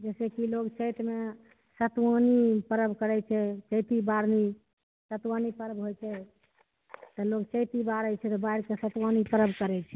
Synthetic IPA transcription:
d͡ʒɛsɛkiloɡt͡ʃət̪me | sət̪wanipəɾəbʱkəɾɛt͡ʃʰɛt͡ʃəjt̪ibaɾni | sət̪wanipəɾəbɦojt͡ʃʰɛ | t̪ɔloɡt͡ʃəjt̪ibaɾət͡ʃʰɛt̪ɔbaiɾkesət̪wanipəɾəbʱkəɾɛt͡ʃʰɛ

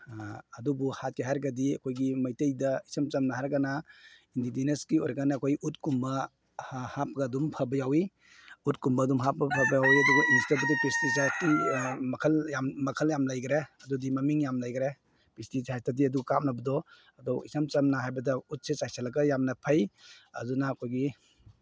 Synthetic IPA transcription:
ɐdubuhat̚keɦaɾɡɐdiɐkʰojɡimɐjtejdɐisɐmt͡ʃɐmnɐɦaɾɡanaindidinɐskiojɾɐɡanakʰojut̚kumbɐ | hap̚ɡɐdumpʰabɐjawi | ut̚kumbɐdumɦap̚ɡɐpʰɐbɐjawiɐdɔɡɐnistɐbɐdɔpistisatimɐkʰɐljammɐkʰɐljamlajɡɾeɐdudimɐmiŋjamlajɡɾe | pistisajstat̬iɐduɡkapm̚nɐbɐdɔ | ɐdɔwisɐmt͡ʃɐmnaɦajbɐdɐut̚sesajsalɐɡɐjamnɐpʰajɐ̰dunaːkʰojɡi

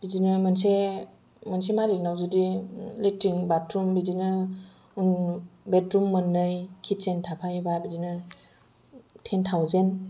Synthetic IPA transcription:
b̥id͡ʒinɯmanse | mansemaɾinawzudilek̚tiŋbatɾumbidinɯ | unbetɾumːɯnːɯjkʰitsentʰapʰajebabizinɯ | tʰentʰawzen

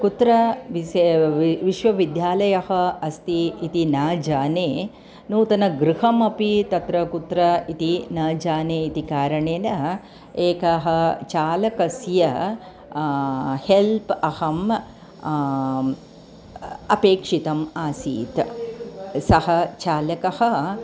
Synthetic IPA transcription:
kut̪ɾɐʋi | ʋiʃʋɐʋid̪jaːlɐjɐhɐɐst̪iːt̪inaːd͡ʒaːneː | nuːt̪ɐnɐɡɾuhɐmɐpit̪ɐt̪ɾɐkut̪ɾɐit̪inɐːd͡ʒaːneːit̪ikaːɾɐɳeːnɐ | eːkɐɦɐ̆t͡ʃaːlɐkɐsjɐ | helpɐhɐm | ɐpeːkʂit̪ɐmaːsḭːt̪ | sɐhɐt͡ʃaːlɐkɐhɐ

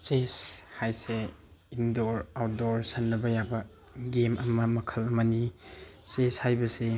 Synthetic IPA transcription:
seshajse | indoɾawt̚doɾsɐnːɐbɐjabɐ | ɡemʔɐmɐmɐkʰɐlɐmɐniseshajbɐse

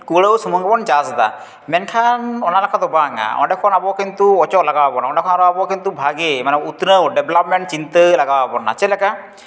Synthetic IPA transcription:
kuɭəwsəmɔŋɡɛbɔnd͡ʒasd̪a̰ | mɛnkʰanɔnalakʰad̪ɔbaŋa̰ɔ̰ɖɛkʰɔnabɔkint̪uɔt͡ʃɔtlaɡawabɔnaɔɖɛkʰɔnaɾɔabɔkint̪ubʱaɡemanɛut̪nəwɖɛbʱlap̚mɛɳʈ̚t͡ʃint̪əlaɡawabɔna̰t͡ʃɛlɛka

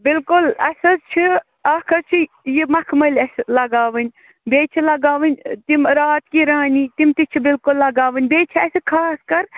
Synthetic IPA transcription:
bɪlkʊlɐsʲɐzt͡ʃʰi | aːkʰɐt͡ʃʰi | jimɐkʰmɐlʲɐslɐɡaːʋɐnʲ | beːt͡ʃʰilɐɡaːʋɐnʲt̪imɾaːt̪kiːɾaːnʲiːt̪imt̪it͡ʃʰibɪlkʊlːɐɡaːʋɨnʲbeːt͡ʃʰiɐsɨkʰaːskɐɾ

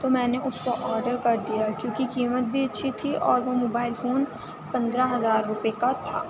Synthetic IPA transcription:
t̪omɛ̃ːneʔʊskoʔɔːɾɖəɾkɐɾd̪ijakjõːkikiːmət̪̚bʱiɐtːʃʰit̪ʰiʔɔːɾʋomoːbaːɪlfoːn | pɐ̃nd̪ɾaɦɐzaːɾːʊpekat̪ʰa̰ː

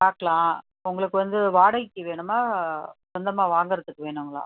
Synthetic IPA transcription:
paːɾkɐɭãː | ʊŋɡɐɭɯkːɯʋɐnd̪ɯʋaːɽɐkːɯʋeːɳɯmaːsɐnd̪ɐmaːʋaːŋɡɐɾɐt̪ːɯkːɯʋeːɳɯŋɡɐɭa̰ː

